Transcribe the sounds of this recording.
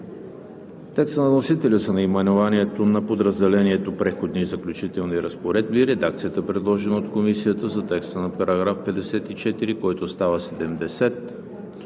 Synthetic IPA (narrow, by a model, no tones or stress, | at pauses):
t̪ɛkst̪ənɐnosit̪ɛlʲəsənɐimɛnovaniɛt̪onɐpod̪ɾəzd̪ɛlɛniɛt̪opɾɛxod̪nizɐklʲut͡ʃit̪ɛlˠniɾəspoɾɛd̪̚biɾɛd̪ak̚t̪sijət̪əpɾɛd̪lˠɔʒɛnəot̪komisijət̪əzɐt̪ɛkst̪ənɐpɐɾɐɡɾafpɛd̪ɛsɛt̪it͡ʃɛt̪iɾikɔjt̪ost̪avəsɛd̪ɛmd̪ɛsɛt̪